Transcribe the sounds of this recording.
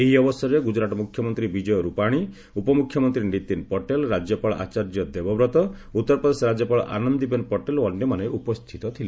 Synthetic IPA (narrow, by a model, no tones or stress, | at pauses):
eɦiɔbɔsɔɾeɡud͡ʒɾaʈɔmukʰjɔmɔnt̪ɾibid͡ʒɔjɔɾupaɽ̃i | upɔmukʰjɔmɔnt̪ɾinit̪inpɔʈelɾad͡ʒjɔpaɭɔʔa̰t͡ʃaɾd͡ʒjɔd̪ebɔbɾɔt̪ɔ | ut̪ːɔɾpɾɔd̪esɔɾad͡ʒjɔpaɭ̰ʔa̰nɔnd̪ibenpɔʈelɔnjɔmaneʔupɔst̪ʰit̪ɔt̪ʰile